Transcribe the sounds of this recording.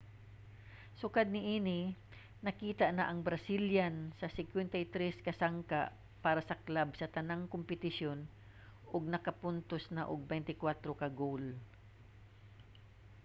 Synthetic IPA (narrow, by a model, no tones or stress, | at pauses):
sʊkad̪̚nɪʔinɪ | nɐkiːt̪aʔnɐʔɐŋbɾɐsiljansɐsɪŋkwɛnt̪ɐjt̪ɾɛskɐsaŋkaʔ | paːɾɐsɐklabsɐt̪ɐnaŋkompɪt̪ɪʃjo̞n | ʔʊɡ̚nɐkɐpʊnt̪osnaʔʊɡ̚bɛjnt̪ɪkwat̪ɾokɐɡowl